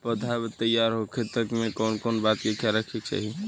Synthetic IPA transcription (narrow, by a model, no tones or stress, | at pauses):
pəd̪ʱabet̪əjaɾɦokʰet̪əkmekɔnkɔnbat̪kekjaɾəkʰek̚t͡ʃa̰ɦi